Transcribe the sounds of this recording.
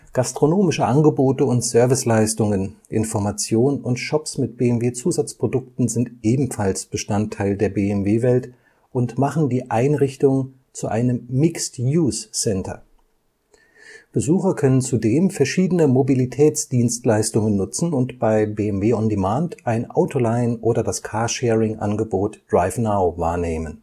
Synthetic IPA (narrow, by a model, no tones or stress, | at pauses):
ɡ̥astʁ̥onoːmɪʃəʔanɡəboːtəʊntsœɐvɪslaɪstʊŋənʔɪnfɔɐmat͡sjoːnənʔʊntʃɔpsmɪt̚b̥eːɛmveːt͡suːzat͡spʁ̥odʊk̚tn̩zɪntʔeːbm̩falsb̥əʃtantʰːaɪldeːɐbeːɛmveːvɛlt | ʔʊntmaχn̩diːʔaɪnʁɪçtʊŋ | t͡suʔa̰ɪnəmːɪkstjuːssɛntʰɐ̰ | b̥əzuːxɐkʰœnənt͡sudeːmfɛɐʃiːdənəmobilitʰɛːt͡sd̥iːnstlaɪstʊŋənːʊt͡sn̩ʊntb̥aɪbeːɛmveːʊndemaːntʔaɪnʔa̰ʊtʰolaɪnʔoːɾɐdaskʰaːɐʃɛːʁɪŋʔa̰nɡəboːtd̥ʁaɪfnaʊva̰ːɐneːmən